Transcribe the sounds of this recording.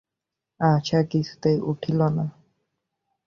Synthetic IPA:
at͡ʃʰakit͡ɕʰu̥t̪ejʔuʈʰilona

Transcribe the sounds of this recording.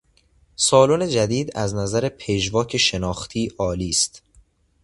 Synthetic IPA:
sɒːlone̞d͡ʒæd̪iːd̪æznæzæɾe̞pʰeʒvɒːcʰeʃe̞nɒːxt̪ʰiːʔɒːliːst̪

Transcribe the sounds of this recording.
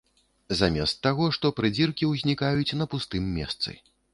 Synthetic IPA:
zamʲɛst̪ːaɣɔʂt̪ɔpɾɨd͡zʲirkʲiwzʲnʲikajut͡sʲnɐpust̪ɨmːʲɛ̰st̪sɨ̰

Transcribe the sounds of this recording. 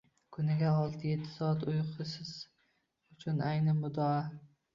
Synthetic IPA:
kʰʊnɪɡʲaɒlˠt̪ʰɪjet̪ʰːɪ̥sɒat̪ʊjqʰɨsɪz̥ | ʊt͡ʃʰʊnajnɪmʊd̪ɒa

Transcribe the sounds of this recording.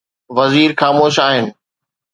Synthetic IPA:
ʋɐziːɾxaːmoːʃaːɦɪnɪ̆

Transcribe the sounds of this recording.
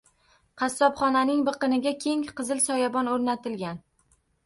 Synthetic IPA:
qʰɑsːɒbχɒnanɪŋbɨqɨnɪɡʲakʲʰe̞ŋqɨzɪlsɒjabɒnoɾnat̪ʰɪlɡʲan

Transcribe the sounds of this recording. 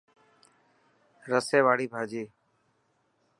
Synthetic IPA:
ɾəseːʋaːɽiːbʱaːd͡ʒiː

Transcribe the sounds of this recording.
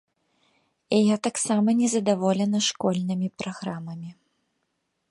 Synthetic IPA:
ɛjat̪aksamɐnʲɛzɐd̪avɔlʲɛnɐʂkɔlʲnɨmʲipɾaɣɾamɐmʲi

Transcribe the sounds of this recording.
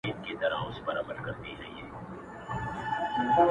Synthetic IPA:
iːt̪ket̪ɐɾã̰ʊsbɐɾa̰ːbəɾkɐɾt̪id͡ʒa̰ːɦḭeː

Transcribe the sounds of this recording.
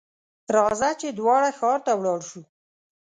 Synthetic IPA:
ɾɑzat͡ʃed̪wɑɽaxɑɾt̪awɽɑɽʃu

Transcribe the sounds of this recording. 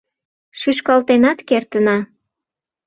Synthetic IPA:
ʃyʃkɑlt̪enɑt̪kert̪ənɑ

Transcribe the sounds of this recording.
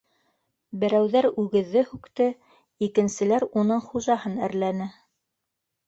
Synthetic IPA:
bɘ̆ɾæwðæɾʉɡɘ̆ðːɘhʉkt̪ɘ | ikɘ̆nsɘ̆læɾunɤɴχuʒɑhɤnæ̰ɾlænɘ

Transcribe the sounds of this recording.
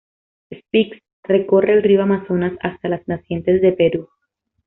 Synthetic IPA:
espiks | re̞ko̞re̞ːlrioamaso̞nasast̪alaznasje̞nt̪e̞zðe̞pe̞ɾu

